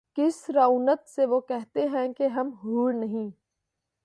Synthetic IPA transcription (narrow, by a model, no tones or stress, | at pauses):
kɪsɾauːnət̪seʋokɛɦt̪eɦɛ̃keɦɐmɦuːɾnɐɦĩː